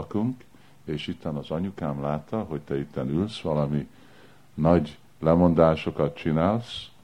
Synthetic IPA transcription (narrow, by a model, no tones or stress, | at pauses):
kuŋk | eːʃit̪ːɛnɒzɒɲukaːmlaːt̪ːɒɦo̞ct̪ɛit̪ːɛnylsʋɒlɒmi | nɒɟ | lɛmo̞nd̪aːʃo̞kɒt̪̚t͡ʃinaːls